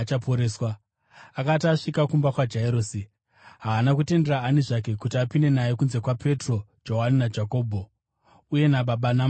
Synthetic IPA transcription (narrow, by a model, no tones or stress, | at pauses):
t͡ʃapoɾeːswa | akataʂikakumbakwad͡ʒaeɾoːsi | ɦaːnakute̞nde̞ɾaaniʐak̬e̞kutiapine̞naje̞kunze̞kwape̞tro̞d͡ʒo̞ɦaninad͡ʒako̞ːbʱo̞ | uje̞naɓaɓanam